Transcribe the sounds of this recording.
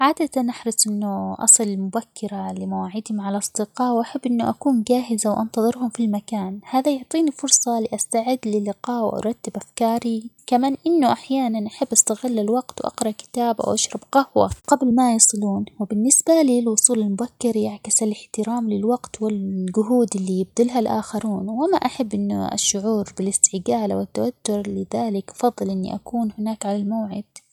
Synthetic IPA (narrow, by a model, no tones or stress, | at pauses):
ʕaːd̪at̪anʔaħɾɑsˤʔɪnːʊʔɑ̰sˤɨlɪmʊbakːɪɾalɪmawaːʕɪd̪hʊmʕalaʔɑsˤd̪̥ɪqɑːwʔaħabːʔɪnːʊʔakuːnd͡ʒaːɦɪzawʔɑ̰nt̪ɑðˤɨɾhʊmfilmakaːnhaːðajʊʕt̪ˤiːnifʊɾˤsˤɑlɪʔast̪aʕɪd̪ːlɪlːɪqɑːʔwʔɑ̰ɾˤɑt̪ːɪbʔafkɑːɾikamaːnʔɪnːʊʔaħjaːnanʔaħabːʔast̪aɣɪlːalwaɡt̪wʔɑ̰qɾˤɑʔkɪ̥t̪aːbʔa̰wʔaʃɾˤɑbqahwa̰qablmajɑːsˤɨluːnwɪbɪnːɪsbaliːlwʊsˤuːlalmʊbakːɪɾjaʕkɪsalɪħt̪ɪɾaːmlɪlwaɡt̪wɪlɡʊɦuːd̪ɪlːijɪb̚d̪ɪlɦalʔaːxaɾuːnwɪmaʔaħabːʔɪnːʊ̰a̰ʃːʊʕuːɾbɪlɪst̪ɪɡaːla̰wɪt̪ːawat̪ːʊɾlɪðaːlɪkʔɑ̥fɑðˤːɨlʔɪnːḭʔakuːnhɪnaːkʕalalmawʕɪd̪̥